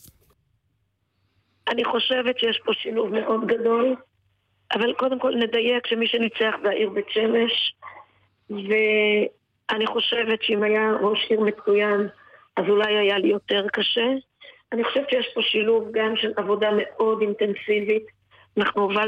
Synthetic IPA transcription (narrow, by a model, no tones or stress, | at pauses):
ʔaniχo̞ʃe̞vetʃejeʃpo̞ʃiluvme̞ʔo̞d̪ɡado̞l | ʔavalko̞d̪emko̞lne̞d̪aje̞kʃemiʃenit͡seaχvehaʔiʁbet͡ʃe̞me̞ʃ | ve̞ | ʔaniχo̞ʃe̞ve̞t̪ʃeimajaʁoʃiʁmet͡sujan | ʔazulajajalijo̞teʁkaʃe̞ | aniχo̞ʃevt̪ʃejeʃpo̞ʃiluvɡamʃe̞lʔavo̞dame̞ʔo̞dint̪e̞nsivit̪ | anaχnuva